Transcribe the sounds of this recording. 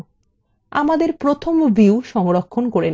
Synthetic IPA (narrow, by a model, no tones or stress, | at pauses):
a̰mad̪eɾpɾot̪ʰomviuʃɔŋɾokʰːonkoɾen